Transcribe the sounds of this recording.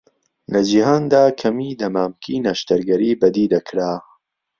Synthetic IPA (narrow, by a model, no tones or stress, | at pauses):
lɐd͡ʒihaːnd̪aːkʰɐmiːd̪ɐmaːmkʰiːnaʃt̪ɐɾɡɐɾiːbɐd̪iːd̪ɐkʰɾaː